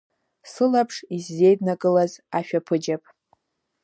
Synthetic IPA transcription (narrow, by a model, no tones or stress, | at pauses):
sɨlapʰʂizːe̞jdnakʼɨlazaʃᶣapʰɨd͡ʒapʼ